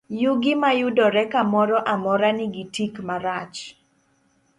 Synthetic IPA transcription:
juɡɪmajudɔɾɛkamɔɾɔʔamɔɾanɪɡitikmaɾat͡ʃ

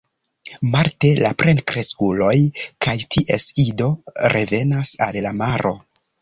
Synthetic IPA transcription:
malte̞lapɾe̞nkɾeskulo̞jkajtʰiʔe̞sido̞ɾe̞ve̞nasa̰lːamaɾʔo̞

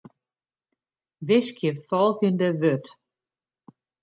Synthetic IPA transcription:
ʋɪskʰjəfɔlˠkindəʋøt

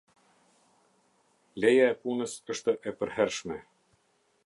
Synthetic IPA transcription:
lɛjaɛpunəsəʃt̪əʔɛpəɾɦɛɾʃmɛ

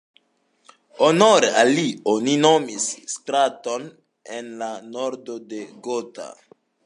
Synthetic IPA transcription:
onoɾealionino̞misːtɾato̞n | enlano̞ɾdo̞de̞ɡota̰

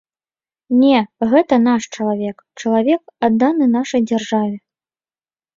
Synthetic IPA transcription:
nʲɛɣɛt̪ɐnaʂt͡ʂɐlˠavʲɛk | t͡ʂɐlˠavʲɛkad̪ːanɨnaʂɐjd͡zʲarʐavʲɛ

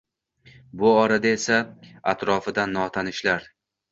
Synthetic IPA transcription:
bʊɒɾad̪ae̞saat̪ɾɒfɪd̪anːɒt̪ʰanɪʃlaɾ

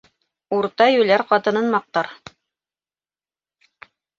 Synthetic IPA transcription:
uɾt̪ɑjʉlæɾqɑt̪ɤ̆nɤnmɑq̚t̪ɑɾ

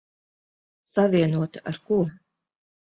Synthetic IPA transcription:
savʲiɛnuɔt̪ḁʔaɾkuɔ

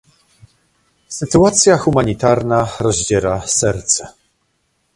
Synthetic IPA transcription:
sɘt̪uat̪sʲjaxumaɲit̪aɾnaɾɔʑd͡ʑɛɾasɛɾt̪sɛ

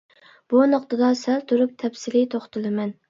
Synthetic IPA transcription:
b̥unɨqt̪ʰɨd̪ɑsælt̪ʰuɾup̚t̪ʰɛpsɪlɪt̪ʰoχt̪ɨlˠɨmɛn

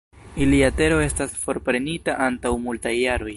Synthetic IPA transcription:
iliate̞ɾo̞e̞stasfo̞ɾpɾe̞nitaʔantawmultajːaɾo̞j

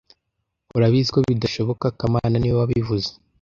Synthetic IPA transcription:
uɾaβizikoβidaʃo̞βo̞kakamaːnaniwwaβivuze̥

